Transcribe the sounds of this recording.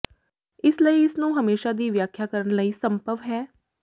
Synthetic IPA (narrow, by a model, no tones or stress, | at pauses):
ɪsləiːɪsnũːɦəmeːʃaːd̪iːʋjaːkʰːjaːkəɾənləiːsəmpəʋɦɛː